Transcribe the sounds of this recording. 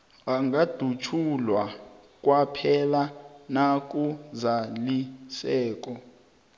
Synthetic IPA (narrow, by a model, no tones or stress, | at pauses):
aŋɡʱad̥ʱut͡ʃʰulwa | k̬ʼwapʰɛlanak̬ʼuzalisɛːk̬ʼɔ